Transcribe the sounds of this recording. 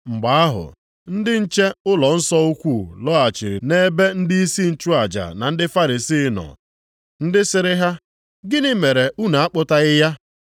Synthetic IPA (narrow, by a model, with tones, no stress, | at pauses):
ŋ͡m̩˨ɡ͡ba˨a˦ɦʊ̰˨ | n̩˦dɪ˦n̩˦t͡ʃe˦ʊ˦lɔ˨n̩˦sɔ˦u˦kʷu˦˨lɔ˦a˨t͡ʃi˨ɾḭ˨ne˦be˦n̩˦di˦i˦si˦n̩˦t͡ʃu˦a˨d͡ʒa̰˨na˨n̩˦dɪ˦fa˦ɾi˨si˦nɔ̰˨ | n̩˦dɪ˦sɪ˦ɾɪ˦ɦa˦ | ɡɪ˦nɪ˦me˨ɾe˨u˦na˨a˦k͡pʊ˦ta˦ɣɪ˦ja˦